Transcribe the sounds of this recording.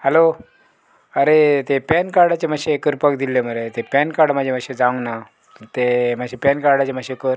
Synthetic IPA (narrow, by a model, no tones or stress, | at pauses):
hɛlo | əɾet̪epɛnkaɾɽat͡ɕemaɕeːkəɾpəkd̪ilːeməɾet̪epɛnkaɾɽmad͡ʑʱemaɕed͡zaʋəŋɡna | ət̪emad͡ʑʱepɛnkaɾɽat͡ɕemaɕeːkəɾ